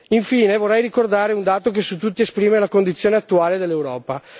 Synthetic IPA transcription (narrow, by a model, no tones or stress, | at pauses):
iɱfiːnevorːɛjrikord̪aːɾeund̪aːt̪ok̬esut̪ːut̪ːiespɾiːmelakond̪it̪sːjoːneat̪ːuaːled̪elːewɾɔːpa